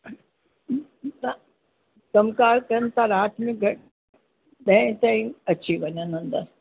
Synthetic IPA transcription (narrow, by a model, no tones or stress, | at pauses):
na | kɐmkaːɾkɐɾənɪ̆t̪ʰãɾaːt̪ʰmẽɡʱɐʈ | ɗɐ̃ɪ̃t̪ãːĩɐt͡ɕʰiʋɐɲənɦũnd̪a